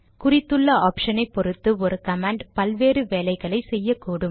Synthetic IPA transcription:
kʊrɪt̪ːɯɭːɐaːpʂɐnɐɪpɔɾɯt̪ːɯɔɾɯkɐmaːɳɖpɐlʋeːɾɯʋeːlɐɪɣɐɭɐɪsɛjːɐkːuːɽɯm

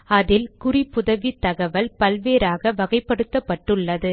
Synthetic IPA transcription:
ɐðɪlkʊripʊðɐʋit̪ːɐɣɐʋɐlpɐlʋeːɾaːɣɐʋɐɣɐɪpːɐɽɯt̪ːɐpːɐʈːɯɭːɐðɯ

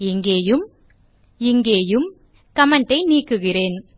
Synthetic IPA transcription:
ɪŋɡeːjɯm | ɪŋɡeːjɯm | kɐmɐɳɖɐɪniːkːɯɣɪreːn

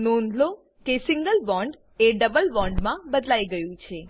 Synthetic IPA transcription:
nõnd̪lo | kesɪ̃ŋɡəlʋɔ̃ɳɖ | eɖəbəlʋɔ̃ɳɖmãbəd̪lajɡəjũt͡ʃʰe

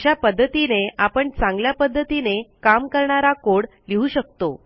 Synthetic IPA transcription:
japəd̪ʱːət̪ineʔapəɳt͡sãŋɡljapəd̪ʱːət̪inekamkəɾɳaɾakoɽ | liɦuɕək̚t̪o

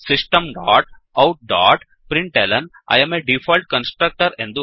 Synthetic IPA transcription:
sɪsʈɐmɖaːʈ | ɐʊʈ̚ɖaːʈ | pɾɪ̃ɳʈelɐn | a̰ːjɐmeɖifʰɔːlʈ̚kɐ̃nsʈɾɐk̚ʈəɾẽnd̪u

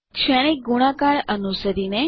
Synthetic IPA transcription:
kʃɛɽ̃ek̚ɡuɽ̃ãkaɳənusəɾine

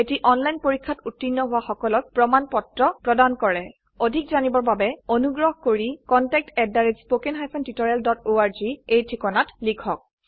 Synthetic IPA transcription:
etiʔɔnlajnpoɹikʰːatutːinːɔɦʊaxɔkɔlɔk̚pɹɔmanpɔtɹɔpɹɔdankɔɹɛ | odʱikzanibɔɹbabɛonuɡɹɔɦkoɹikɔntɛk̚tɛdːaɹizspokenɦajpʰɔntitɔɹialdɔtoaɹziejtʰikɔnatlikʰɔk̚

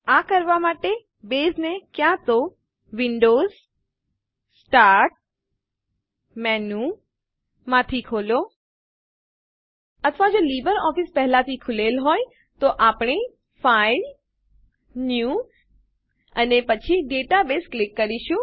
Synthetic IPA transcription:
akəɾʋamaːʈe | beːsnekjãt̪o | ʋɪ̃ɳɖoːz | sʈaːɾʈ̚ | mɛnu | mãt̪ʰikʰoːlo | ət̪ʰʋad͡ʒoːliːbəɾɔːfispɛɦlat̪ʰikʰʊlelɦoːj | t̪oʔaːpɳ̃i | fʰaɪl | nju | ə̰nepət͡ʃʰiɖeʈabesklɪkːəɾiʃũ

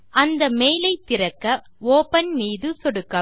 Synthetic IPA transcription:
ʔɐnd̪ɐmeːjlɐɪt̪ːɪɾɐkːɐ | oːpɐnmiːðɯsɔɽɯkːɐ

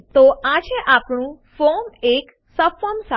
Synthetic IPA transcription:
t̪oʔad͡ʒeʔapɳũ | fomek | səfəmsa

